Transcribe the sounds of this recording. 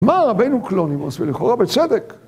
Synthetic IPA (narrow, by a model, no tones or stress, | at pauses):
maʁabejnuklonimasbiliχoʁabet͡sed̪ek